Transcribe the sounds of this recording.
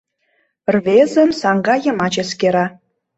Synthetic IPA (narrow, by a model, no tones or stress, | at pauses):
rβezə̆msɑŋɡɑjə̆mɑt͡ɕeskeɾɑ